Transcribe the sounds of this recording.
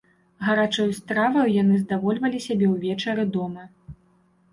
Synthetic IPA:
ɣɐɾat͡ʂɔjust̪ɾavɐjwjanɨzd̪avɔlʲvɐlʲisʲabʲɛwvʲɛt͡ʂɐɾɨd̪ɔmɐ

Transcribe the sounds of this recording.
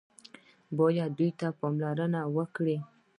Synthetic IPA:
bɔjad̪d̪ujt̪apɔmlaɾənawəkɽe

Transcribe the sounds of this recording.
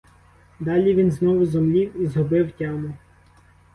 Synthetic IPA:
d̪ɑlʲiʋʲinznɔʋʊzɔmlʲiwizɦɔbɪwtʲɑmʊ

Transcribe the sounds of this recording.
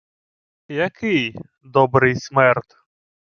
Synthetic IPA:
jɐkɪj | d̪ɔbɾɪjsʲmɛrt̪

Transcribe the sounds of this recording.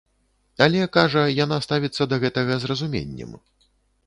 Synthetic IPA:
alʲɛkaʐɐjanast̪avʲit̪sːɐd̪ɐɣɛt̪ɐɣɐzrɐzumʲḛnʲːɛ̰m

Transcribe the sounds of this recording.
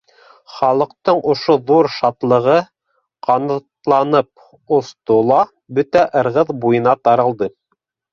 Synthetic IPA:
χɑlˠɤ̆q̚t̪ɤɴʔŏʃoðuɾʃɑt̪lˠɤ̆ʁɤ | qɑnɤt̪lˠɑnɤp̚ | ŏst̪olˠɑ | bɵt̪æʔɤ̆ɾʁɤðbujɤ̆nɑt̪ɑɾɤ̆lˠd̪ɤ

